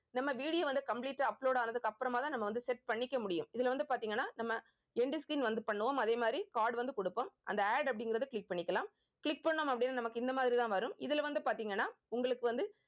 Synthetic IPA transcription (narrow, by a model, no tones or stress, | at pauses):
nɐmːɐʋiːɽɪjoːʋɐnd̪ɯkɐmpliːʈːaɐpːɭoːɽaːnɐðɯkːɯɐpːɯɾɐmaːt̪ãːnɐmːɐʋɐnd̪ɯsɛʈ̚pɐɳːɪkːɐmʊɽɪjɯmɪðɪlʋɐnd̪ɯpaːɾt̪iːŋɡɐnːaːnɐmːɐ | ɛɳɖiskɾiːnʋɐnd̪ɯpɐɳːɯʋomɐðeːmaːd̪ɾikaːɾɖʋɐnd̪ɯkɔɽɯpːomʔɐ̰nd̪ɐaːɖɐpːɐɽɪŋɡɪɾɐðɯkɭɪk̚pɐɳːɪkːɐlaːm | kɭɪk̚pɐɳːomɐpːɐɽɪnːanɐmɐkːɯɪnd̪ɐmaːðɪɾit̪ãːʋɐɾɯmɪðɪlʋɐnd̪ɯpaːɾt̪iːŋɡɐnːaː | ʊŋɡɐɭɯkːɯʋɐnd̪ɯ